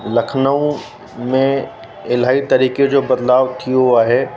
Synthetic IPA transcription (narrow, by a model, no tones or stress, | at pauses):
lɐkʰnəõ | mẽ | ɪlaːit̪ɐɾiːked͡ʒoːbɐd̪laːʋt̪ʰioaɦɛː